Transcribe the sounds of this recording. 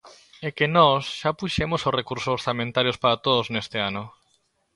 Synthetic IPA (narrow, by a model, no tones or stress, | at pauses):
ɛkenɔsʃapuʃemosorekuɾsosoɾθamẽnt̪aɾjospaɾat̪oðoznest̪eanʊ